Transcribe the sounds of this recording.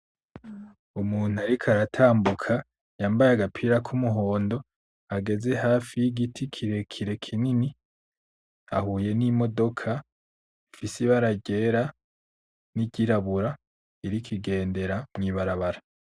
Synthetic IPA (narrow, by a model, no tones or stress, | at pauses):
umuːn̥uaɾikʰaɾatʰaːmbukʰa | jaːmbajaɡapʰiɾakʰumuɦo̞ːndo̞ | aɡe̞ze̞ɦaːfijiɡitʰikʰiɾe̞kʰiɾe̞kʰinini | a̰huːje̞nimo̞do̞kʰa | ifisiβaɾaɟe̞ɾa | niɟiɾaβuɾa | iɾikʰiɡe̞ːnde̞ɾamŋiːβaɾaβaɾa